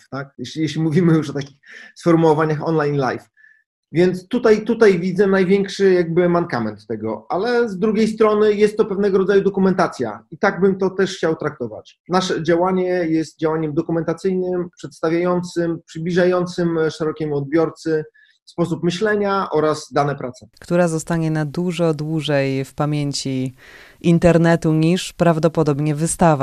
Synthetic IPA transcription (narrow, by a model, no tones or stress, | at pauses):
t̪akjɛɕʲijɛɕlʲimuvʲimɘjuʂɔt̪akʲixsfɔɾmuɔvaɲaxɔnlajnla̰jf | vʲjɛnt̪st̪ut̪ajt̪ut̪ajvʲid̪zɛnajvʲjɛŋkʂɘjaɡ̚bɘmankamɛ̰nt̪ːɛɡɔ̰ʔalɛzd̪ɾuɡʲejst̪ɾɔnɘjɛst̪ːɔpɛvn̪ɛɡɔɾɔd̪zajud̪ɔkumɛnt̪at̪sʲja̰it̪aɡ̚bɘmt̪ɔt̪ɛʂxt͡ɕawt̪ɾak̚t̪ɔva̰t͡ɕ | naʂɛd͡ʑawaɲɛjɛst̪̚d͡ʑawaɲɛmd̪ɔkumɛnt̪at̪sɘjnɘmpʂɛt̪st̪avʲjajɔnt̪sɘmpʂɘblʲiʐajɔnt̪sɘmʂɛɾɔkʲemɔd̪̚bʲjɔɾt̪sɘ | fspɔsupmɘɕlɛɲaʔɔɾazd̪anɛpɾat̪sɛ̥kt̪uɾazɔst̪aɲɛnad̪uʐɔd̪wuʐɛjfpamʲjeɲt͡ɕi | int̪ɛɾnɛt̪uɲiʂpɾavd̪ɔpɔd̪ɔbɲɛvɘst̪ava